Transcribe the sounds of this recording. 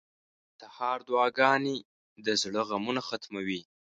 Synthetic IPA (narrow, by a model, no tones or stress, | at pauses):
t̪ahɑɾd̪wɑɡɑne | d̪əzɽəɣamunaxat̪mawi